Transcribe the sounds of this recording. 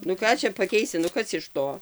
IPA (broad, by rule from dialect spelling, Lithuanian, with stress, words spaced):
nʊ ˈkɑː t͡ʃʲɛ pɐˈkʲɛɪsʲɪ nʊ ˈkɐs ɪʃ ˈtoː